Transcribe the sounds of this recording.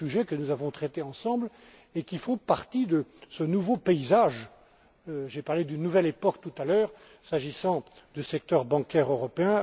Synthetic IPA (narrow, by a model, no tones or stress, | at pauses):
yʒɛkənuzavɔ̃t̪χɛt̪eɑ̃sɑ̃bl | ekʲifɔ̃paʁt̪id̪əsənuvopeizaʒ | øʒepaʁled̪ynːuvɛlepɔkt̪ut̪alœːʁ | saʒisɑ̃d̪ysɛk̚t̪œʁbɑ̃kʲɛʁøʁɔpeɛ̃